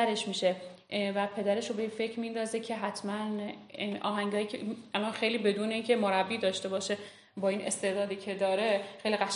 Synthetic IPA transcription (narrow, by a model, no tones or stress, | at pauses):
æɾeʃmiːʃe̞ | væpʰe̞d̪æɾe̞ʃobejefe̞cʰɾmind̪ɒːze̞cʰe̞ɦæt̪ʰmænʔɒ̰ːɦæŋɟɒːjicʰeælɒnxejliːbe̞d̪uːneiːncʰe̞moɾæbːiːd̪ɒːʃt̪e̞bɒːʃe̞ | bɒːiːne̞̰st̪e̞ɾd̪ɒːd̪iːcʰe̞d̪ɒːɾe̞xejliɣæʃ